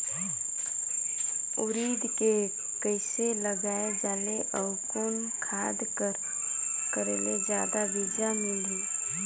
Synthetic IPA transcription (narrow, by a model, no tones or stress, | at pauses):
ʊɾiːd̪ke | kəɪseləɡaːed͡ʒaːleʔəʊkon | kʰaːd̪kəɾ | kəɾeled͡ʒjaːd̪abid͡ʒamɪliː